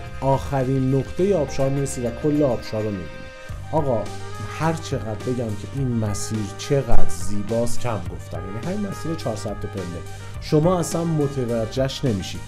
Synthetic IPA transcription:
ʔɒːxæɾiːnːoqt̪ʰe̞jeɒːb̥ʃɒːɾmiːɾesiːd̪vækʰolːeɒːb̥ʃɒːɾomibḭnḭd̪ʔɒːɣɒːhæɾt͡ʃʰe̞ɣæd̪̚be̞ɟæmcʰe̞ʔiːnmæsiːɾt͡ʃʰe̞ɣæd̪ziːbɒːscʰæmɡo̞ft̪æ̰mjænifæinmæsiːɾet͡ʃʰɒːɾsɒæt̪ʰːepʰenle | ʃomɒːæsænmot̪ʰevæd͡ʒːæʃne̞miʃid̪̥

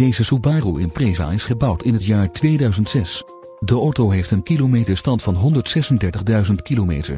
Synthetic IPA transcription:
dejzəsubaːruʔɪ̰npreːva̰ːɪsχəbɑwtɪnɦətjaːɹtʋejdœɥzəntsɛs | dəɔtowɦejftənkilometəɹstɑntfɑnɦɔndəɹtsɛsəndɛɹtəχdœɥzəntkilomḛːtə̰ɹ

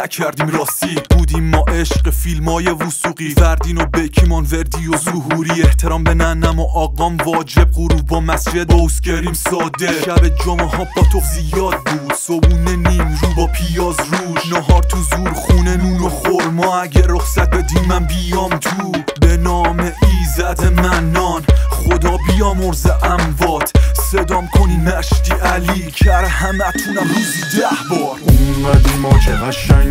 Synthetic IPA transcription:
æcʰæɾd̪iːmɾɒːsiːbuːd̪iːmːɒːʔeʃqfilmɒːjevusuːɣivæɾd̪iːnobecʰimɒnveɾd̪ijozuɦuɾiːeht̪ʰe̞ɾɒːmbenænːæmoʔɒːɣɒːmvɒːd͡ʒe̞b̚ʁuɾuːbbɒːmæsd͡ʒed̪bowscʰeɾd̪iːmsɒːd̪eʃæbed͡ʒomehɒbʰɒt̪ʰofzijɒːd̪̚buːd̪̥sobuːneniːmɾuːbɒːpʰijɒːzruːznoɦɒɾt̪ʰuzuːɾχuːnenuːnoχoɾmɒːæɟeɾoχsæt̪̚bed̪imænbijɒːmt̪ʰubenɒːmeʔizæd̪ʰemænːɒːnχod̪ɒːbijɒːmoɾzeʔæmvɒːt̪ʰsed̪ɒːmkʰoniːmæʃt̪iːʔæliːcʰæɾhæmæt̪ʰunæmɾuːzid̪æhbɒːɾuæd̪imɒːd͡ʒeæʃæ

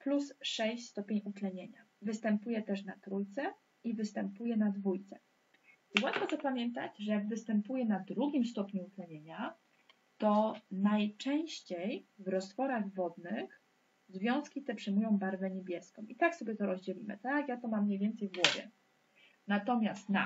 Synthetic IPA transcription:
plusʂɛɕst̪ɔpʲeɲut̪lɛɲeɲa | vɘst̪ɛmpujɛt̪ɛʂnat̪ɾujt̪sɛ | ivɘst̪ɛmpujɛnad̪vujt̪sɛ | iwat̪fɔt̪ɔpamʲjɛnt̪at͡ɕʐɛjaɡvɘst̪ɛmpujɛnad̪ɾuɡʲimst̪ɔpɲuut̪lɛɲeɲa | t̪ɔnajt͡ʂɛ̃ɕt͡ɕejvɾɔst̪fɔɾaɣvɔd̪nɘx | zvʲjɔ̃skʲit̪ɛpʂɛmujɔ̃w̃baɾvɛɲebʲjɛskɔ̃w̃mʔit̪aksɔbʲɛt̪ɔɾɔzd͡ʑɛlʲimɘ̰t̪akjat̪ɔmamːɲejvʲjɛnt̪sɛjvɡwɔvʲjɛ̰ | nat̪ɔmʲjast̪na̰

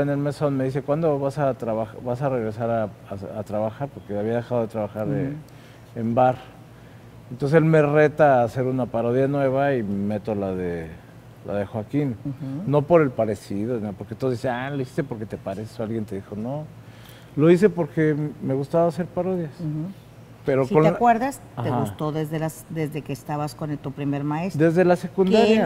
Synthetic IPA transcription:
ene̞lmesonme̞ðise̞kwand̪oβasat̪ɾaβaxβasare̞ɣɾe̞saɾaaat̪ɾaβaxaɾpo̞ɾkeaβiað̞e̞xaðo̞ðet̪ɾaβaxaɾe | embaɾ | ent̪onseselmere̞t̪aːse̞ɾunapaɾoðjanwe̞βaime̞t̪o̞laðe | la̰ðe̞xwakinno̞po̞ɾe̞lpaɾe̞siðonapoɾket̪oisealoisi̥st̪e̞po̞ɾke̞t̪e̞paɾesesoalɣjent̪e̞ðixo̞no | lo̞is̬e̞po̞ɾke̞me̞ɣust̪aβase̞ɾpaɾo̞ðjas | peɾoksioneakweɾðas | axeɣaust̪o̞ðezðelasd̪e̞zðekeːst̪aβaskonelt̪upɾimeɾmaesd̪e̞zðelase̞kund̪aɾja

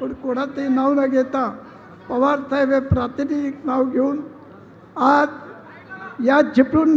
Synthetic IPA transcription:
uɽkoɽat̪enawnaɡet̪a | pɐʋaɾt̪ʰajʋepɾat̪iniknawɡeun | ad | jad͡ʒipɾun

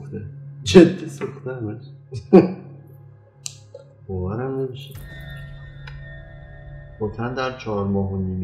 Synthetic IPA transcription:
t̪ed͡ʒed̪ːisuxt̪ehæmæʃ | b̥ɒːvæɾæmne̞miʃe | bok̪ʰænd̪æɾt͡ʃʰɒːɾmɒːɦoniːm

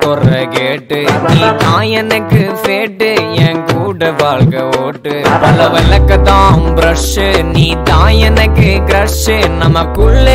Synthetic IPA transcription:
t̪ɔrɐkeːʈːɯniːt̪aːjɐnɐkːɯfeːʈːɯeːŋkuːɽɐʋaːɭkɐoːʈːɯʋɐlɐʋɐlɐkːɐt̪ːãːmbɾɐʂɯniːt̪aːjɐnɐkːɯɡɾɐʂɯnɐmɐkːɯɭːe

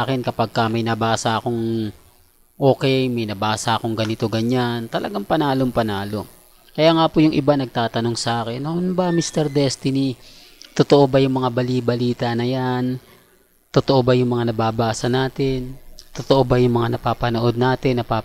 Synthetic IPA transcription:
kɛnkɐpaɡ̚kɐmɐjnɐbaːsɐɐkoŋ | ʔo̞ːkɛjmɐjnɐbaːsɐʔɐkoŋɡɐnɪt̪o̞ɡɐɲant̪ɐlʔɐɡaŋpɐnaːlo̞ŋpɐnaːlo̞ | kɐjaːŋapojʊŋʔɪbanɐɡ̚t̪aːt̪ɐno̞ŋsɐʔaːkɛnːoʔnbɐmist̪ɛɾd̪ɛst̪ɪni | t̪ot̪oʔobɐjʊŋmɐŋabɐliːbɐliːt̪ɐnɐjan | t̪ot̪oʔo̞bɐjʊŋmɐŋanɐbaːbaːsɐnaːt̪ɪnt̪ot̪oʔo̞bɐjʊŋmɐŋanɐpaːpɐnoʔo̞d̪̚naːt̪ɪnːɐpa

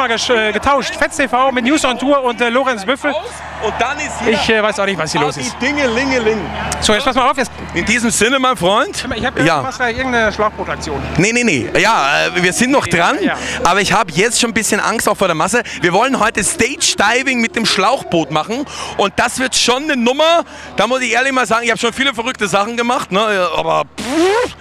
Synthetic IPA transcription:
maːlɡəʃɡətʰaʊʃtfɛstʰefaʊmɪtnjuːsɔntʰuːɐʊntɛloːʁɛnsvʏfl̩ | ʊnt̚d̥anɪstɪçɛvaɪsaʊnɪçtvashiːɐoːsɪd̥ɪŋəlɪŋəlɪŋz̥oːjɛt͡spʰasmaaʊfjɛt͡s | ʔɪndiːzəmzɪnəmaɪnfʁ̥ɔʏntɪmɐɪçhaːbjaːasɡ̥aːʔɪɐɡŋ̩tnəʃlaʊxb̥oːtak̚t͡sjoːnnenenejaːʔɛːviːɐzɪntnɔχd̥ʁanʔaːbɐɪçhaːbəjɛt͡stʃoːnbɪsçənʔa̰ŋstaʊfoːɐɾeɐmas̬əviːɐvɔlənɦɔʏtəstɛɪt͡ʃd̥aɪvɪŋmɪt̚d̥eːmʃlaʊxb̥oːtmaχn̩ʔʊnt̚d̥asv̥ɪɐtʃoːnːənʊmɐ | d̥aːmʊsɪçʔeːɐlɪçmaːlzaːɡŋɪçhabəʃoːnfiːləfɛɐʁʏk̚təzaχn̩ɡəmaχtnəʔa̰ːbɐb

